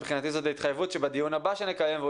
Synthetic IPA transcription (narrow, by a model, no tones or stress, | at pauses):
bχinat̪izo̞t̪lait̪χajevut̪ʃebad̪ijunhabaʃenekajemve